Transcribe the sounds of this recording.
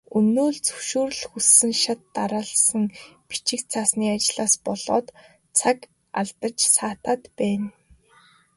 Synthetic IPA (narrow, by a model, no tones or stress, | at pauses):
ɵnoːɮt͡sɵʃuːr̆ɮxusːɘ̆ŋʃat̪ːaɾaːɮsə̆ŋpi̥t͡ɕɪ̆kt͡sʰaːsniːat͡ɕɮaːspɔɮɔːt̪ | t͡sʰak | a̰ɮt̪ə̆t͡ɕsaːt̪aːt̪pæːn